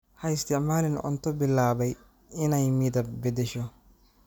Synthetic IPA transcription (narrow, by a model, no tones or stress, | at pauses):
hɐɪst̪ɪʔmaːlɪnɔ̰nt̪ːɔbɪlːaːbɐj | ɪnɐjmiːd̪ɐbɛd̪ɛʃɔ